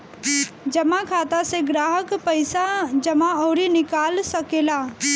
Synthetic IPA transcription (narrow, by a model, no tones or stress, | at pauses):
d͡ʒəmakʰaːt̪aseɡɾaːɦəkpəɪsad͡ʒəmaɔːɾinɪkaːlsəkeːla